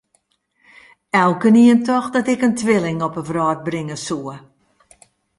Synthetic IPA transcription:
ɛlˠkəniəntɔxdɔtɪkəntʋɪlɪŋɔpəvrɔːt̚brɪŋəsuə

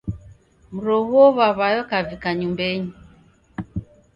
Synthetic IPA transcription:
m̩ɾɔɣuɔβaβajɔkavikaɲumbɛɲi

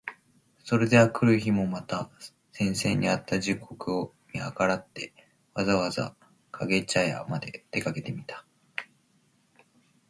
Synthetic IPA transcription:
so̞ɾe̞d̪e̞akɯ̟ɾɯ̟çimo̞mat̪a | sẽ̞ɰ̃se̞̰ːɲ̟ːḭat̪ːaʑikʰo̞kɯ̟o̞ | mʲia̰kaɾat̪ːe̞ | βazaβaza̰ | kʰaɡe̞t͡ɕaja̰mad̪e̞̰d̪̥e̞kake̞t̪e̞mʲit̪ḁ

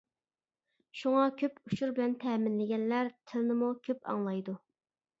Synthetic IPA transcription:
ʃuŋɑkʲʰøpuʃuɾbɪlɛnt̪ʰɛmɪnlɪɡʲɛnlæɾt̪ʰɪlnɪmukʲʰøpɑ̰ŋlˠɑjd̪u

